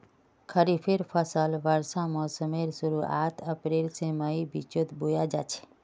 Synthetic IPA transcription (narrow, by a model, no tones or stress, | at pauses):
kʰəɾipʰeɾpʰəsəlʋəɾsamɔːsəmeɾsuɾua̰t̪ʰəpɾelsẽməibit͡ʃot̪bujad͡ʒa̰t͡ʃʰe̥